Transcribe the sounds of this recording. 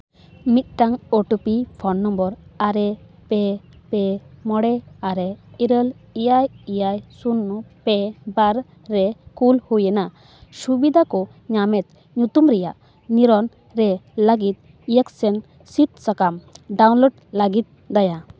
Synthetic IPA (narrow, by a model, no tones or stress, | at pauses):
mit̪̚ʈaŋɔʈupipʰɔnːɔmbɔɾaɾɛpɛpɛmɔɽɛaɾɛiɾəlijajijajsunːɔpɛbaɾː | ɛkulhujɛna | subid̪ʱakɔ | ɲamɛt̪̚ | ɲut̪umɾɛja̰ʔ | niɾɔn | ɾɛləɡit̪̚ | ijaksɛn | siʈ̪̚sakamɖawnlɔɖlaɡit̪̚ | d̪aja